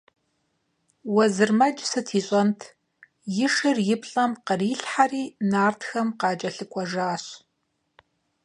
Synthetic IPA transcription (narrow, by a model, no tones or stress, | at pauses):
wɐzɨrmɐd͡ʒsɨtʰiːɕʼɐntʰ | jɪʂɨrjɪpʰɬʼɐmqəriːɬħariːnaːrtʰxɐmqɑːt͡ʃʼɐɬɨkʷʼɔʒaːɕ